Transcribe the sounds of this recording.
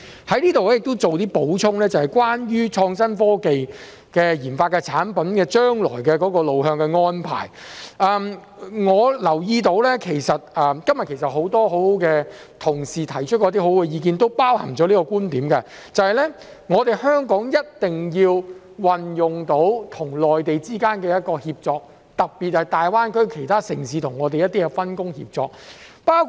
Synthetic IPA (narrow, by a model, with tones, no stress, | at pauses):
hɐ˨˥jliː˥t̪o˨wlɛ˥jɪ˨k̚t̪o˥wt͡so˨wt̪iː˥po˨˥wt͡sʰʊ˥ŋlɛː˥t͡sɐ˨whɐ˨˩jkwaː˥njyː˥t͡ʃʰɔː˧ŋsɐ˥nfɔː˥ke˨j | kɛː˧jiː˨˩nfaː˧t̚kɛ˧t͡sʰaː˨˥npɐ˨˥nkɛː˧t͡ʃœː˥ŋlɔ̰ː˨˩jkɛː˧kɔː˨˥kɔː˧lo˨wɦœː˧ŋkɛː˧ŋɔː˥npʰa̰ː˨˩jʔɛː˨m | ŋɔː˨˧lɐ˨˩wjiː˧t̪o˨˥wlɛː˥kʰe˨˩jsɐ˨t̚ɛː˨kɐ˥mjɐ˨tkʰe˨˩js̬ɐ˨t̚ho˨˥wt̪ɔː˥ɦo˨˥who˨˥wkɛː˧ | t̪ʰʊ˨˩ŋsiː˨˩t̪ʰɐ˨˩jt͡ʃʰɵ˥t̚kɔ˨˧˥t̪iː˥˩ɦo˨˥wkɛː˧jiː˨˧k̬iː˨nt̪o˥wpaː˥whɐ̰˨˩ŋt͡sɔː˨˥liː˥kɔː˧kuː˥nt̪iː˨˥mkɐ˧ | t͡sɐ˨˧hɐ˨jlɛ˥ | ŋɔː˨˧t̪e˨jhœː˥ŋkɔː˨˥ŋjɐ˥t̚t̪ɪ˨ŋjiː˧w | wɐ˨njʊ˨˩ŋt̪o˨˥wt̪ʰʊ˨˩ŋlɔː˨jt̪e˨jt͡siː˥kaː˥nkɛː˧jɐ˥t̚kɔː˧hiː˧p̚t͡sɔː˧k̚ | t̪ɐ˨k̚piː˨t̚hɐ˨jt̪aː˨jwaː˥nkɵ˥ɥkʰe˨˩jt̪ʰaː˥sɪ˨˩ŋsiː˨˧t̪ʰʊ˨˩ŋɔː˨˧t̪e˨jɐ˥t̪ːiː˥kɛ˧fɐ˥nkʊ˥ŋhḭː˧p̚t͡sɔ̰ː˨˧k̚paː˥wkʰ